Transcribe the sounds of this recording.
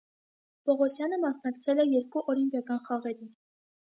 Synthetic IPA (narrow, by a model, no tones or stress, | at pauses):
pɔʁɔsjɑnəmɑsnɑkt͡sʰɛlɛjɛɾkuʔɔɾimpjɑkɑnχɑʁɛɾin